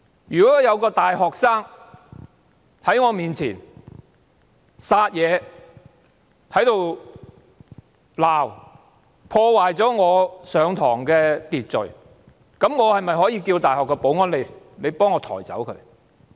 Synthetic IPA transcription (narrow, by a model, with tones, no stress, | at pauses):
jyː˨˩kɔː˨˥jɐ˨˧wkɔː˧t̪aː˨jɦɔː˨k̚saː˥ŋ | hɐ˨˥jŋɔː˨˧miː˨nt͡sʰiː˨˩n | saː˧t̚jɛː˨˧ | t̪ʰɐ˨˥jt̪o˨w | laː˨˩w | pʰɔː˧waː˨jt͡sɔː˨˥ŋɔː˨˧sœː˨˧ŋt̪ʰɔ̰ː˨˩ŋkɛː˧t̪iː˨t̚t͡sɵ̰˨ɥ | kɐ˨˥mŋɔː˨˧hɐ˨jmɐ˨jɦɔː˨˥jiː˧kiː˧wt̪aː˨˩jhɔː˨kːɛ˧po˨˥wŋɔː˥nle˨˧j | le˨˧jpɔː˥ŋːɔː˨˧t̪ʰɔ̰ː˨˩jt͡sɐ̰˨˥wkʰɵ̰˨˥ɥ